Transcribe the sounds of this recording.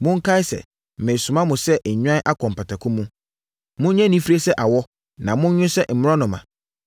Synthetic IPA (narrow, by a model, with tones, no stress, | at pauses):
mʊ̃˦ŋ̩˦kʰa˦i˦sɛ̰˨ | mɛ̃˨su˨mã˦mʊ̃˨sɛ˦ʔɲᶣ˦ã˦ʔa˦kʰɔ̃˨m˨pa˨tʰa˨kʰʊ̃˦mũ˦ | mʊ̃˦ɲɛ̃˦nĩ˦fiɾi˦e˦sɛ˦ʔa˨wɔ˦ | nã˨mʊ̃˦n˦ɲʊ̃˦sɛ˦m̩˨mɪ̃˦ɾɔ̃˦nʊ̃˨mã̰˨